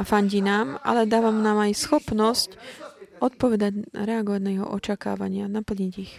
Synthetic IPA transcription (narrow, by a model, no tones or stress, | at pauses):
afaɲɟinaːma̰lɛd̪aːʋamnaːmajsxɔpnɔscɔt̪̚pɔʋɛd̪aɟɾɛaɡɔʋaɟnajɛɦɔ̰ʔɔt͡ʃaka̰ːʋa̰ɲɪanapl̩ɲiɟix